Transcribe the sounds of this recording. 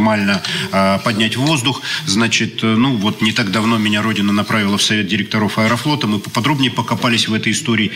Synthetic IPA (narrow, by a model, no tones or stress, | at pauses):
malʲnəpɐdʲnʲætʲvo̞zd̪ʊxznat͡ɕɪt̪nuvo̞t̪nʲɪt̪aɡd̪ɐvno̞mʲɪnʲaɾo̞dʲɪnənɐpɾavʲɪlˠəfsɐvʲe̞t̪̚dʲɪɾʲɪk̚t̪ɐɾo̞fɐɛɾɐflˠo̞t̪əmɨpəpɐd̪ɾo̞bnʲɪjəpəkɐpalʲɪsʲvɛt̪əjɪst̪o̞ɾʲɪː